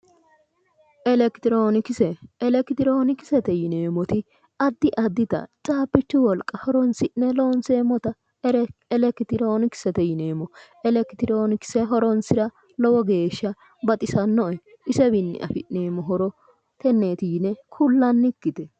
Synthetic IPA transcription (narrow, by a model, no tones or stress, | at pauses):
ʔɛlɛkɪt̪ɪɾoːnɪkɪsɛːlɛkɪt̪ɪɾo̞ːnɪkɪ̥sɛt̪ɛjɪne̞ːmɔt̪ɪ | ɐd̪ːɪʔɐd̪ːɪt̪ɐ̰t͡sʼaːpːɪt͡ʃːʊwɔlkʼːɐhɔɾɔnsɪʔɛlo̞ːnseːmːɔt̪ɐ | ɛlɛkt̪ɪɾo̞ːnɪkɪ̥sɛt̪ɛjɪneːmɔ | ɛlɛkɪt̪ɪɾoːnɪkɪ̥sɛɦɔɾɔnsɪɾɐ | lɔwɔɡe̞ːʃːɐ | bɐt̪ʼɪsɐnːɔʔɛ | ʔɪsɛbɪnːɪ̰ʔɐ̰fɪʔneːmːɔɦɔɾɔ | t̪ɛnːeːt̪iːnɛkʰʊlːɐnːɪkːɪt̪ɛ